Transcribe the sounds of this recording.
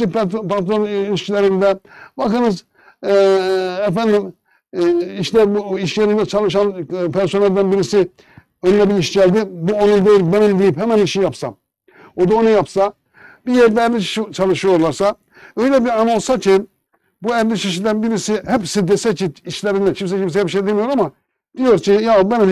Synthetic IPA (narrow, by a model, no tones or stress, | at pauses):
ippat̪oniʃlʲæɾind̪ɛbɑkɯnɯz | ɛfænd̪im | iʃlæɾbuiʃæɾind̪ɛt͡ʃʰɑlˠɯʃɑnpʰæɾso̞nælʲd̪ænbiɾisi | ønlɛbiiʃɟælʲd̪ibuo̞nund̪ejɾibænimd̪ijiphæmæniʃijapsɑ | o̞d̪aonujapsa | bijæɾd̪ɛːɾlʲiʃt͡ʃʰalˠɯʃɯjo̞ɾlˠaɾsa | ø̞jlʲɛbiɾano̞lˠsacʰin | buæɾlʲiʃiʃ̬id̪ænbiɾisihɛpsid̪esɛciːʃlʲeɾind̪ɛcʰims̬ɛcims̬ihɛbiʃejd̪emijo̞ɾama | d̪̥ijo̞ɾcʰijabæni